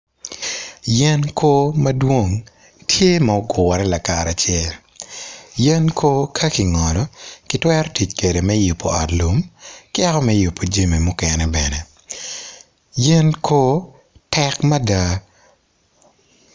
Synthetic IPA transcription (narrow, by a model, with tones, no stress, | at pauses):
jɛ˦nkʰo˦mɐ˦dwo˦ŋ | tʰje˦ma˨o˦ɡʊ˨wɾɛ˦la˨ka˨ɾa˨t͡ʃɛ˦l | jɛ˦nkʰo˦kʰɐ˦ki˨ŋɔ˨lɔ˨kɪ˦twɛ˦ɾɔti˨t͡ʃke˨de˨mɛ˦ju˨pːo˨ɔ˨tlu˨mkɛ˦kɔ˦mɛju˨pːo˨d͡ʒe˦mi˨mʊ˦kɛnɛbɛnɛ˨ | jɛ˦nkʰo˦ | tɛ˦kmɐ˦da˨